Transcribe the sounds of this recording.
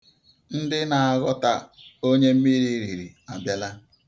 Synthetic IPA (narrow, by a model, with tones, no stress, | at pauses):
n̩˦dɪ˦na˨a˨ɣɔ˦ta˦o˦ɲe˦m̩˦mi˦ɾi˦˨ɾi˨ɾi˨a˨bja˦la˦